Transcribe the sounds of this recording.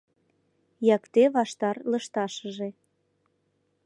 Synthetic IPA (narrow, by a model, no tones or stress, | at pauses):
jɑkt̪eβɑʃt̪ɑrlə̆ʃt̪ɑʃəʒe